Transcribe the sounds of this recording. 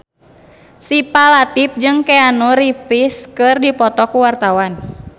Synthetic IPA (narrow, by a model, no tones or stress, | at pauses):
sipalat̪ip̚d͡ʒɨŋkɛanuɾipiskɨrdipɔt̪ɔkuwart̪awan